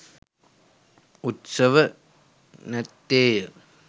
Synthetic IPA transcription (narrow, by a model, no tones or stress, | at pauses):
ut̪sɐʋɐ | nɐt̪ːeːjɐ